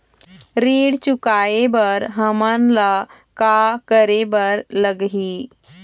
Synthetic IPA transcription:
ɾiːɽt͡ʃukaebəɾɦəmənla | kakəɾebəɾləɡɦiː

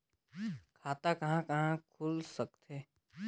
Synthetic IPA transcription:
kʰaːt̪akɐɦãkɐɦãkʰʊlsɐkt̪ʰeː

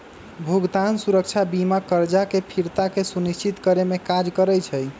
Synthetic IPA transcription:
bʱuɡd̪ansuɾək̚t͡ʃʰabimakəɾd͡ʒakepʰiɾt̪akesunist͡ʃit̪kəɾemekad͡ʒkəɾɛjt͡ʃʰəj

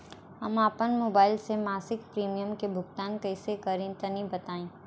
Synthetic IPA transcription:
ɦɐmaːpənmoːbaːɪlsemaːsɪkpɾiːmijəmkebʱʊɡt̪aːnkɐɪsekɐɾẽt̪ɐnĩbɐt̪aːẽː

